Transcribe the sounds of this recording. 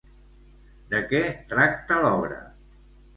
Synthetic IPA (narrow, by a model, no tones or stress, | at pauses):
d̪əkɛt̪ɾak̚t̪əlɔβɾə̰